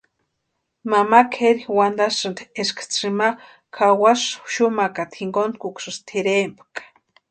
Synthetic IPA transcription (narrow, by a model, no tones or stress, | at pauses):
mamakʰeɾixwand̪asɨnt̪ʰeskʰḁt͡sima | kʰawasʃumakat̪ʰiŋɡonkukʷsɨst̪ʰiɾempakḁ